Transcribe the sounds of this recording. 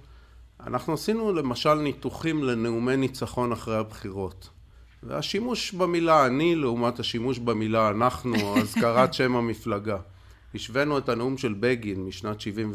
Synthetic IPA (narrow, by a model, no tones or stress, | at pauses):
a̰naχnuasinule̞maʃalnituχimle̞neumejnit͡saχo̞naχʁejabχiʁo̞t | vḛaʃimuʃbemilaːnileumathaʃimuʃbemilaːnaχnuazkaʁatʃe̞mamiflaɡa | iʃve̞nue̞taneumʃe̞lbeɡinmiʃnatʃivim